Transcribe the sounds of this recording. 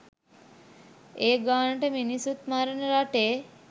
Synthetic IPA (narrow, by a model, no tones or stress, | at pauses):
eːɡaːnəʈəminisut̪maɾənəɾaʈeː